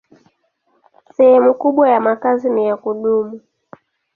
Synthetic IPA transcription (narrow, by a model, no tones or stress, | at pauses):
sɛhɛmukuɓwajamakazinijakuɗumu